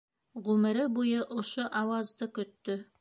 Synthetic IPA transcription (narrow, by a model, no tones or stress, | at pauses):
ʁʉmɘ̆ɾɘbujɤʔŏʃoʔɑwɑzd̪ɤkɵ̆t̪ːɵ